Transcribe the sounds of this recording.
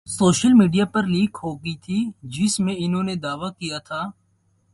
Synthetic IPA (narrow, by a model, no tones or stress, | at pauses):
soːʃəlmiːɖijapɐɾliːkɦoːɡəit̪ʰid͡ʒɪsmẽɪnɦõːned̪aːʋakijat̪ʰaː